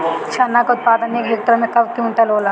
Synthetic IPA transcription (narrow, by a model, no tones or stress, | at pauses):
t͡ʃʰaːnakaʊt̪̚paːd̪ənekɦek̚t̪ɾəmẽkɐbkjũnʈ̪ɐlɦoːla